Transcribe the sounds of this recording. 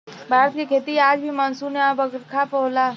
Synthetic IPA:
bʱaːɾət̪̚kikʰeːt̪iaːd͡ʒbʱimənsuneabəɡɾkʰapəɦʊla

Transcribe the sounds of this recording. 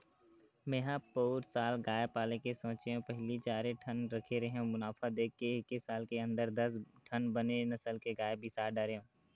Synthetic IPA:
meɦãpoːɾsaːlɡaːjpaːlekesɔ̃ːt͡ʃeõpəɦlit͡ʃaːɾeʈʰənɾɐkʰeɾəɦõmʊnaːfʰad̪eːkʰːeɪkːesaːlkeə̃nd̪əɾd̪əsʈʰənbənenɐsəlkeɡaːjebʱisaːɾɖəɾeõː

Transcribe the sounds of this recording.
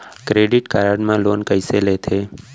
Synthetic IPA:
kɾeɖɪʈkaɾəɖmãloːnkəɪselet̪ʰeː

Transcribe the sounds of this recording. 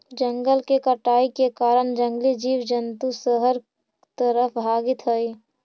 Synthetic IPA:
d͡ʒəŋɡəlkekəʈaːikekaːɾəɳd͡ʒə̃ŋɡlid͡ʒiːwd͡ʒənt̪usəɦəɾ | t̪əɾəpʰbʱaːɡɪt̪ɦəi

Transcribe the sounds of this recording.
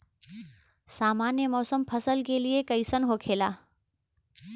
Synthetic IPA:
saːmaːnjəmɔːsəmpʰɐsəlkeliekəɪsənɦoːkʰeːla̰ː

